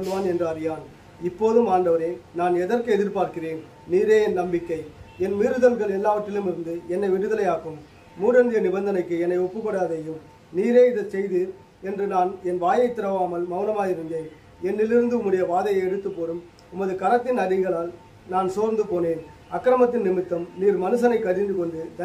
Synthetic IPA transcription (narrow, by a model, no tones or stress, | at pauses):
d̪ɯʋaːnɛndrɯɐɾɪjaːn | ɪpːoːðɯmaːɳɖɐʋɐɾeːnaːnɛðɐrkɯɛðɪɾpaːɾkɪreːn | niːɾeːɛnnɐmbɪkːɐɪɛnmiɾɯðɐlɣɐɭɛlːaːʋɐʈːɪlɯmɪɾɯnd̪ɯɛnːɐɪʋɪɽɯðɐlɐjaːkɯmː | uːɽɐnd̪ɪjɐnɪbɐnd̪ɐnɐɪkːɯɛnːɐɪɔpːɯpːɐɽaːðɐjɯm | niːɾeːɪðɐsɛjðɯ | ɛndrɯnaːnɛnʋaːjɐɪt̪ːɪɾɐʋaːmɐlmɐʋɯnɐmaːjɪɾɯnd̪eːn | ɛnːɪlɪɾɯnd̪ɯʊmɯɽɪjɐʋaːðɐjɐɪɛɽɯt̪ːɯpːoːɾɯm | ʊmːɐðɯkɐnɐt̪ːɪnɐɽɪɣɐɭaːl | naːnsoːɾnd̪ɯpoːneːn | ɐkːɾɐmɐt̪ːɪnnɪmɪt̪ːɐmniːɾmɐnɯsɐnɐɪkːɐɾɪnd̪ɯkɔɳɖɯd̪ɐ